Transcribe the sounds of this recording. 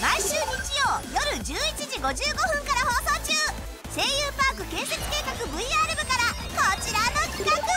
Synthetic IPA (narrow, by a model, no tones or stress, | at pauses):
maiɕɨːɲ̟it͡ɕijo̞ːjo̞ɾɯ̟d͡ʑɨːit͡ɕiʑiɡo̞ʑɨːɡo̞ɸɯ̟̃ŋkaɾaho̞ːso̞ːt͡ɕɨː | se̞ːjɯːpaːkɯ̟kẽ̞ːse̞t͡sɨ̥ke̞ːkakɯ̟bɯ̟iaɾɯ̟bɯ̟kaɾa | ko̞t͡ɕiɾano̞kʲi̥kakɯ̟